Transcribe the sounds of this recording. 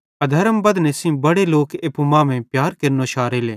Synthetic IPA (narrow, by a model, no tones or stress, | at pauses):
ɐd̪ʱɐɾəmbɐd̪nesĩbɐɽeloːkeːpumãːmẽpjaːɾkɪɾnoːʃaːɾeːleː